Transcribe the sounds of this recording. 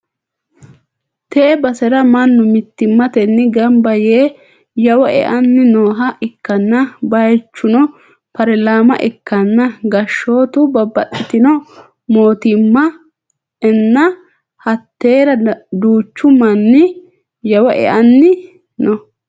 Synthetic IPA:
t̪eːbɐsɛɾɐmɐnːʊmɪt̪ːɪmːɐt̪ɛnːɪɡɐmbɐjeː | jɐwɐʔɛ̰ʔɐnːɪnoːɦɐʔɪkːɐnːɐbɐjt͡ʃːʊnɔ | pɐɾɛlaːmɐ̰ʔɛkːɐnːɐɡɐʃːo̞ːt̪ʊbɐbːɐtːɪt̪ɪnɔ | mo̞ːt̪ɪmːɐ | ɛnːɐ | hɐt̪ːe̞ːɾɐd̪uːt͡ʃːʊmɐnːɪ | jɐwɐʔɛ̰ʔɐnːɪ | nɔ

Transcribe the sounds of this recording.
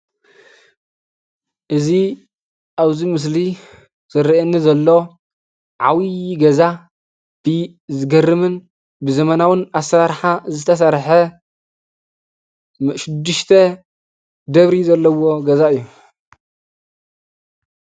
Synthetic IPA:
ʔɨzi | ʔaβzimɨs̬li | z̥ɨɾʔenːizɐlːo | ʕa̰wiɡɐza | b̥ɨ | zɨɡɐrɨmɨn | bɨzɐmɐnawɨnasɐɾaɾħazɨt̪ʰɐs̬ɐɾħɐ | ʃɪd̪ːɨʃt̪ʰɐ | d̪ɐβɾizɐlːɐwo̞ɡɐzaɨjːu

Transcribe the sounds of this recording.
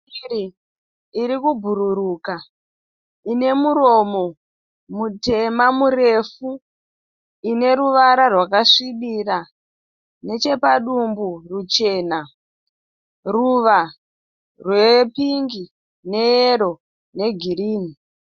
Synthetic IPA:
ɾi | iɾikubʱuɾuɾuːka | ine̞muɾo̞mo̞ | mute̞mamure̞fu | ine̞ruʋaɾarwakaʂiɓira | ne̞t͡ʃe̞paɗumburut͡ʃe̞ːna | ruʋa | rwe̞piŋɡi | ne̞eɾo̞ | ne̞ɡʱiɾiːni

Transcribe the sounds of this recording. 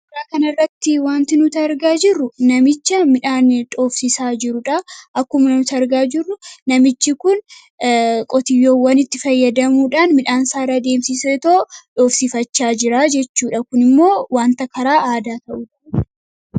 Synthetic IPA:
bʊaːkɐnɐrːɐt̪ːɪwaːnt̪ɪnʊt̪ɐɾɡaːd͡ʒɪrːʊnɐmɪt͡ʃːɐmɪᶑaːnᶑo̞ːfsɪsaːd͡ʒɪɾʊᶑɐʔɐkːʊmɐnʊt̪ɐɾɡaːd͡ʒɪrːʊnɐmɪt͡ʃːɪkʊn | kʼɔt̪ɪjːoːwːɐnɪt̪ːɪfɐjːɐd̪ɐmuːᶑaːnmɪᶑaːnsaːɾaːd̪e̞ːmsɪset̪oːᶑo̞ːfsifɐt͡ʃːaːd͡ʒɪɾaːd͡ʒɛt͡ʃːuːᶑɐkʊnɪmːo̞ːwaːnt̪ɐkɐɾaːʔaːd̪aːt̪ɐʔuːᶑɐ

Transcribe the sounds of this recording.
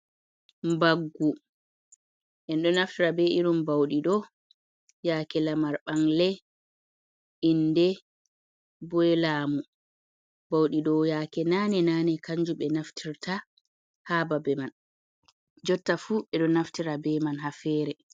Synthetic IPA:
mbaɡːu | ʔɛnɗɔnaftiɾabɛʔiɾumbawɗiɗɔ | jaːkɛlamaɾɓaŋlɛ | indɛ | bɔɛlaːmu | bawɗiɗɔjaːkɛnanɛnaːnɛkaɲd͡ʒuɓɛnaftʰiɾtʰa | haːbabɛman | d͡ʒɔtːafuʔɛɗɔnaftiɾabɛmanɦafɛːɾɛ

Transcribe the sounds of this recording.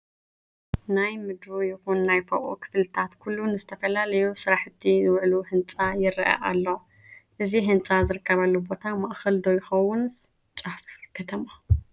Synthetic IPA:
najmɨd̪ɾujɪxunːajfɐʔṵkʰɨ̥flɨt̪ʰat̪kʰulːunɨzɨt̪ʰɐfɐlalɐjusɨɾaħɨt̪ʰːizɨwʕluhɨnt͡sʼajɪɾɐʔa̰ʔa̰lːo | ʔɨziɦɨnt͡sʼazɨɾɨkʰːɐβalːobo̞t̪ʰamaʔxɐld̪ojxɐwʊn | t͡ʃʼafkʰɐt̪ʰɐma

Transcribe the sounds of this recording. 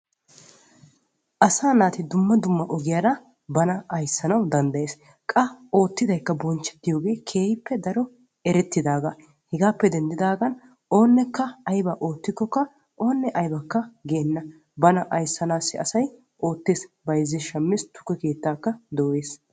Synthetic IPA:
ʔɐsaːnaːt̪ɪd̪ʊmːɐd̪ʊmːɐʔɔɡɪjaːɾɐ | bɐnɐɐjsːɐnɐwd̪ɐnd̪ɐje̞ːs | kʼɐo̞ːt̪ːɪd̪ɐjkːɐbɔnt͡ʃːɛ̥t̪ːɪjo̞ːɡe̞ːkʰe̞ːhɪpːɛd̪ɐɾɔ | ɛɾɛt̪ːɪd̪aːɡa | hɛɡaːpːɛd̪ɛnd̪ɪd̪aːɡɐn | o̞ːnːɛkːɐɐjbɐʔo̞ːt̪ːɪkːɔkːɐ | ʔo̞ːnːɛʔɐjbɐkːɐɡeːnːɐ | bɐnɐʔɐjsːɐnaːsːɪɐsɐj | ʔo̞ːt̪ːeːsbɐjzːɪʃɐmːɪst̪ʊ̥kːɛke̞ːt̪ːaːkːɐd̪ɔwe̞ːs

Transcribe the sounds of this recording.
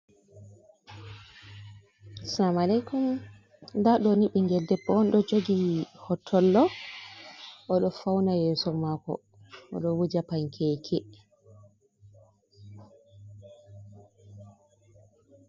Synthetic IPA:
samalɛjkum | daɗɔniɓɛŋɡɛldɛbɔɔnɗɔd͡ʒoɡihɔtʰːɔlːɔ | ʔɔɗɔfawnajɛːsɔmakɔ̰ | ɔ̰ɗɔwud͡ʒapaɲkʰɛkʰɛ

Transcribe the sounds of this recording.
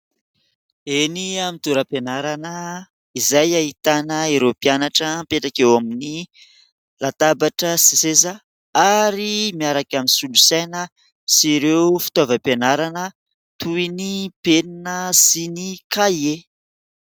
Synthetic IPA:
eniamit̪uɾapenaɾanə | izajaɦit̪anəeɾopianaʈ͡ʂəmpeʈ͡ʂakewamini | lat̪abaʈ͡ʂəsisezə | aɾimiaɾakaminsulusajnə | siɾewfi̥t̪ovəpenaɾanə | t̪uinipeninəsinikaie

